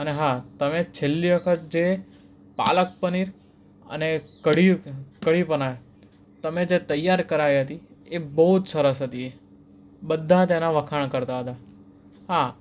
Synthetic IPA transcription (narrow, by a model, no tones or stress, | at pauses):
əneɦat̪əmet͡ʃʰelːiʋəkʰət̪̚d͡ʒe | pa̰lək̚pəniɾ | ə̰nekəɽikəɽipənaj | t̪əmed͡ʒet̪əjːaɾkəɾajɦət̪iebəɦud͡ʒsəɾəsɦət̪ie | bəd̪ʱːat̪enaʋəkʰaɳ̃kəɾt̪aɦət̪a | ɦa